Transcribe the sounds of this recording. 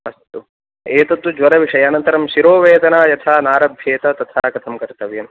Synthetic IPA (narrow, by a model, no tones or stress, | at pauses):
ɐst̪u | eːt̪ɐt̪wud͡ʒʋɐɾɐʋiʂɐjɐːnɐnt̪ɐɾɐmʃiɾoːʋeːd̪ɐnaːjɐt̪ʰaːnaːɾɐbʱjeːt̪ɐt̪ɐt̪ʰaːkɐt̪ʰɐmkɐɾt̪ɐʋjɐm